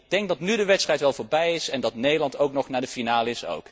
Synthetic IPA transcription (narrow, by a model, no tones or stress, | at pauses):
d̥ɛŋɡ̚dɑtnydəʋɛtstrɛjtʋɛlˠvoːɹbɛjɪsɛndɑtnejdəlɑntowknɔχnaːdəfinaːləɪso̰wk